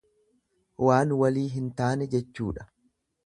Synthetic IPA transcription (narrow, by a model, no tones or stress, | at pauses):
waːnwɐliːɦɪnt̪aːnɛd͡ʒɛt͡ʃːuːᶑɐ̥